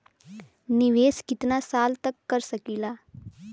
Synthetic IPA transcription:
nɪʋeːskɪt̪nasaːlt̪əkːəɾsəkiːlaː

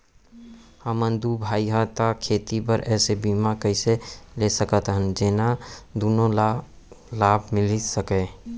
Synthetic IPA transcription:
həmənd̪ubʱaːiɦət̪akʰeːt̪ipəɾʔɛːsebimakəɪselesəkət̪ɦənd͡ʒeːnad̪oːnõl | laːbʱmɪlisəkẽ

